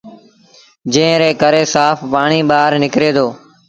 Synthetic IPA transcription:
d͡ʒẽːɾeːkəɾeːsaːpʰpaːɳ̃iːɓaːɾnɪkɾeːd̪oː

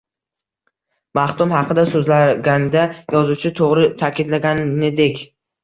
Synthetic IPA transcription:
maht̪ʊmhɑqʰɨd̪asɵzlaɡʲand̪ajɒzut͡ʃʰɪt̪ʰoʁɾɪt̪ʰakʲɪd̪laɡʲanːed̪ekʲ

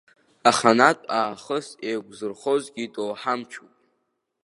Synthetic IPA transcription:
aχanatʼaːχəsejɡʷʼzɨrχo̞zɡʲitʼowħamt͡ʃʰupʼ

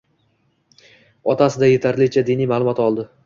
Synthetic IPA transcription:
ɒt̪ʰasɪd̪ajet̪ʰaɾlɪt͡ʃʰad̪inijmalˠʊmɒt̪ɒlˠd̪ɪ

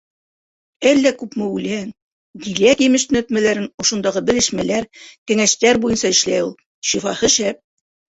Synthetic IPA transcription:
ælːækʉpmɘʉlæŋ | d̪ilækjɘ̆mɘʃt̪ɵ̆næ̆t̪mælæɾɘnŏʃŏnd̪ɑʁɤbɘ̆ɾɘ̆ʃmælæɾkɘ̆ŋæʃt̪æɾbujɤnsɑɘ̆ʃlæjulˠ | ʃifɑhɤʃæp̚

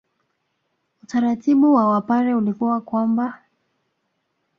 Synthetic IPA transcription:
utaɾatiɓuwawapaɾɛulikuwakwamba

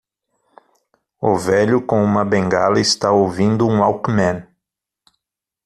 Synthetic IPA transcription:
ʊvɛʎʊkõũmɐbẽŋɡalɐɪst̪aowvĩnd̪ʊũawkmɛ̃n

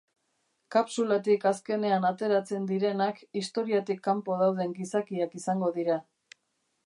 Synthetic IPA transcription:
kapsulat̪̬ikaske̞ne̞anat̪e̞ɾat͡se̞nd̪iɾe̞nakist̪o̞ɾiat̪ikːampo̞ðawðe̞ŋɡisakiakisaŋɡo̞ðiɾa

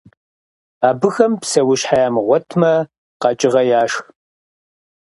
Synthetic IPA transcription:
aːbɨxɐmpsɐwʊɕħajaːmɨʁʷɔtʰmɐ | qɑt͡ʃʼɪʁɐjaːʂx

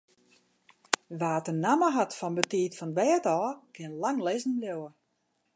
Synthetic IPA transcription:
ʋaːtənaməɦatfɔnbətiːtfɔnʋɛːətɔːkʰɪənlaŋlezn̩ljowə

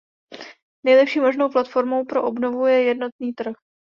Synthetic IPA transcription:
nɛjlɛpʃiːmoʒno̞wplat̪fo̞ɾmo̞wpɾo̞ʔobno̞vujɛjɛdno̞t̪̚niːt̪r̩x

